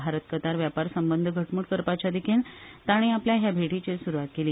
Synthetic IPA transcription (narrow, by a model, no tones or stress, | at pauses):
aɾət̪kət̪aɾʋjapaɾsəmbənd̪ʱəɡʱəʈmuːɽkəɾpat͡ɕjad̪ekʰint̪aɽ̃iapljaɦjabʱeʈit͡ɕesuɾuʋat̪̚keliː